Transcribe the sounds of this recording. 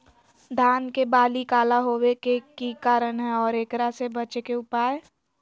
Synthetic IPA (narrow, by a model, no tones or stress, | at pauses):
d̪ʱaːnkebaːlikaːlaɦoːwekekikaːɾənɦɛɔːɾeːkɾasebɐt͡ʃekeʊpaːe